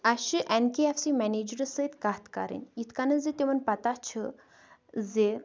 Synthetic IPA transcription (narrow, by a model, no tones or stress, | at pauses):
aʃiʔɛnkeɛfsimɛned͡ʒɾəsət̪kaːt̪ka̰ɾḭnjit̪ʰkanəd͡zet̪eʋənpɐt̪at͡ʃʰə | ze